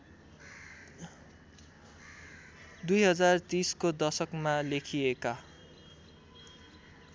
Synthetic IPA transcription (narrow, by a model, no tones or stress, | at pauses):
d̪ujɦʌd͡zart̪iskod̪ʌsʌkmalekʰieka